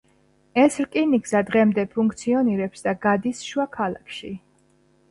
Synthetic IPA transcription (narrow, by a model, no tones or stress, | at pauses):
ɛsɾkʼiniɡzad̪ʁɛmd̪ɛpʰuŋkʰt̪sʰiɔniɾɛpsd̪aɡad̪isʃuakʰalˠakʰʃi